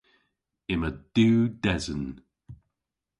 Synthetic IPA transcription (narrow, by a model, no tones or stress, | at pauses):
ɪməd̥uːdɛzən